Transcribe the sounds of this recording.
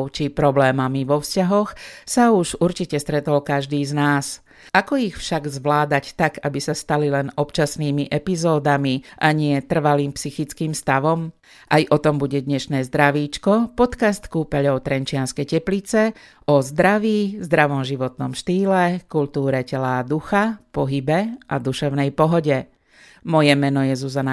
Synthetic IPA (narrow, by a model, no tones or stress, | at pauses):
t͡ʃipɾɔblɛːmamiʋɔfscaɦɔxsauʒuɾt͡ʃicɛst̪ɾɛt̪ɔlkaʒd̪iːznaːs | akɔixfʃaɡzʋlaːd̪act̪aɡabisast̪alilɛnɔpt͡ʃasniːmiʔɛpizɔːd̪amiʔaɲɪɛt̪r̩ʋaliːmpsixit͡skiːmst̪aʋɔm | ʔajʔɔt̪ɔmbuɟɛd̪ɲɛʃnɛːzd̪ɾaʋiːt͡ʃkɔpɔt̪kast̪kuːpɛʎɔʊt̪ɾɛnt͡ʃɪanskɛjcɛplit͡sɛ | ʔɔzd̪ɾaʋiːzd̪ɾaʋɔmʒiʋɔt̪nɔmʃt̪iːlɛkult̪uːɾɛcɛlad̪uxapɔɦibɛʔad̪uʃɛʊnɛjpɔɦɔɟɛ | mɔjɛmɛnɔjɛzuzana